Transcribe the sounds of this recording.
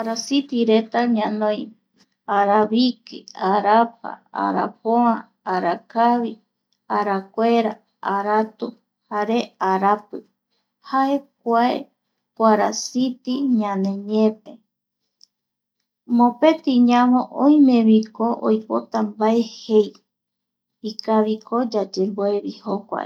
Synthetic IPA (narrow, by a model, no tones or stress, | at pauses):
aɾasit̪iɾe̞t̪aɲãnõj | aɾaβikiaɾap̚a̰a̰ɾa̰poã | aɾakaβi | aɾakʷeɾa | aɾat̪u | haɾeaɾapɨ | hae̞k̚ʷaḛ | kʷaɾasit̪iɲãnẽ̞ɲẽpe | mõpe̞t̪iɲãmõʔõj̃mẽβikoʔo̰jpot̪ambae̞hej | ikaβikʰod͡ʒad͡ʒemboeβihokʷa̰e